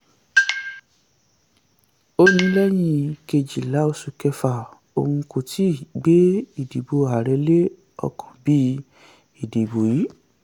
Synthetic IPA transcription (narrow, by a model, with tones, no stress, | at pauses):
o˧˦nĩ˧˦lɛ˦j̃ĩ˧ke˧d͡ʒi˨la˨˦o˧su˧kɛ˧fa˨ | o̰˧hũ˧ko˨tʰi˦˨ɡ͡be˦i˦˨di˨bo˨˧a˨ɾɛ˧˦le˦ | ɔ̰˧kʰɔ̥̃˨bi˦ | i˨di˨bo˨ji˨˦